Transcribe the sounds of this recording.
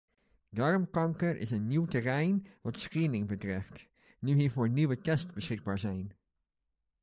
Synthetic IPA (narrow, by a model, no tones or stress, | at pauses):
dɑrmkɑŋkəɹʔɪ̰sənːiwtərɛjnʋɑtsχiənɪŋbətrɪft | nyɦiːəɹvoːɹniʋətɛstbəsχɪɡ̚baːɹzɛjn